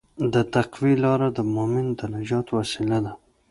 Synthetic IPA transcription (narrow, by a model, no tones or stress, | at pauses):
d̪ət̪aqwilɑɾad̪əmomɪnd̪ənad͡ʒɑt̪wasilad̪a